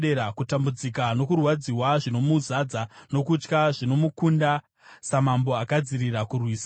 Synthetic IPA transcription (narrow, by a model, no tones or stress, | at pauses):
e̞ɾakutambud͡zikano̞kurwad͡ziwaʐino̞muzad͡zano̞kut͡ʃkaʐino̞mukunda | samambo̞akad͡ziɾirakurwiːsḁ